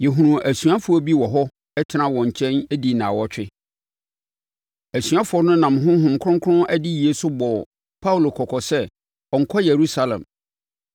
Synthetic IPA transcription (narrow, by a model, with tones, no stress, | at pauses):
jɛ˨ɦũ˨ũ˨ʔæ˨sɥa˦fʊ˨˦ɔ˦bi˦wɔ˨ɦɔ˦ | ɛ˦tʰɪ˨˦nã˦wɔ̃˨ɲ̩˨t͡ɕʰɛ̃˦næ˦di˨nã˨wɔ˦t͡ɕᶣɪ˦ | æ˨sɥa˦fʊ˨˦ɔ˦nʊ̃˦nã˨mɦʊ̃˦ɦʊ̃˨mkʰɾʊ̃˦ŋ˦kʰʊ˦ʊ̃˦ʔæ˦di˦ji˨e˦sʊ˦bɔ˨ | pʰa˦u˨lo˨kʰɔ˨kʰɔ˨sɛ˦ | ɔ˨ŋ̩˨kʰɔ˦je˨ɾu˦sa˦lɛ̰̃˨m